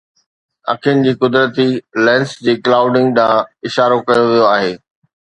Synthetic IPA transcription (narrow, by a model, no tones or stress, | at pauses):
ɐ̰kʰijʊnɪ̆d͡ʑiːkʊd̪ɾət̪ilɛ̃ːnsd͡ʑeːklaːʊɖɪ̃ŋɡɗãːɪʃaːɾokɐjoʋijoaːɦeː